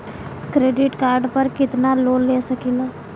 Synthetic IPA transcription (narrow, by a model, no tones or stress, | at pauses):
kɾeːɖɪʈkaːɾɖpəɾkɪt̪naloːnleːsɐkiːlaː